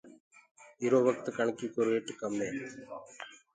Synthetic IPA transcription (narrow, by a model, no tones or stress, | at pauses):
iɾoːʋɐk̚t̪ɨkɐɳɐkːikoɾeʈːɯkːɐmleː